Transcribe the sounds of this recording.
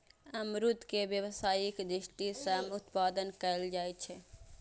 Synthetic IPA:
əmɾut̪kebjəwsaːikd̪ɾɪsʈisəmʊt̪paːd̪ənkəld͡ʒaːɛt͡ʃʰɛ

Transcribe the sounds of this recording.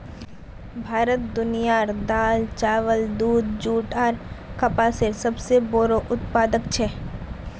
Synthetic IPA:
bʱaːɾət̪̚d̪ʊnijaːɾd̪aːlt͡ʃaːʋəld̪uːd̪d͡ʒuːʈaːɾkɐpaːsɪɾsɐbsebɔːɾoʔʊt̪paːd̪əkt͡ʃʰɛː

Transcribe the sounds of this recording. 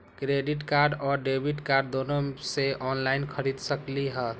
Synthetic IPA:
kɾeɖiʈkaɾɖɔːɾɖebʱiʈkaɾɖd̪onoseʔɔnlaɪinkʰəɾid̪səkliɦə

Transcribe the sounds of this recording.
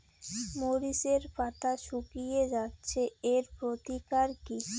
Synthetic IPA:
moɾiʃeɾpat̪ʰaʃukijed͡ʑatːɕʰeeɾpɾot̪ikaɾki

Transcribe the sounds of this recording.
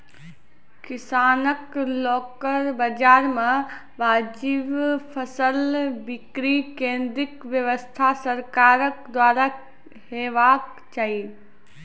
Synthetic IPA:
kɪsaːnəklɔːkəɾbɐd͡ʒaːɾmã | ʋaːd͡ʒɪʋfʰɐsəlbɪkɾikẽːnd̪ɾɪkʋjəʋəst̪ʰasɐɾkaːɾəkd̪waːɾa | heːʋaːk | t͡ʃaːi

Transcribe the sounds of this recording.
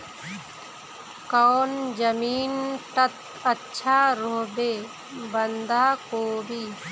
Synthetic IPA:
kaːnd͡ʒəmiːnʈɐt̪ | ɐtːʃʰaːɾoːbeː | bənd̪aːkoːbʱiː

